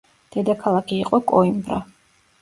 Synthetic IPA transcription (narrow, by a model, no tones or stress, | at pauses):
d̪̥ɛd̪akʰalˠakʰiːqʼɔkʼɔimbɾa